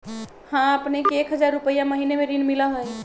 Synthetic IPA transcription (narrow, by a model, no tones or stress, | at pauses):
hãəpnekeekɦəd͡ʒaɾːupəjaməɦinemeɾinmiləɦəj